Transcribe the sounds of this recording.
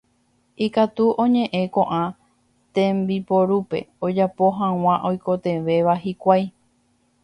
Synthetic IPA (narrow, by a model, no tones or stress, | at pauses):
ikat̪uʔõɲẽ̞ʔẽ̞kõ̞ʔã | t̪ẽ̞mbipoɾupe̞̰od͡ʒapo̞ɦãw̃ãʔojko̞t̪e̞ʋe̞ʋaɦikʷaj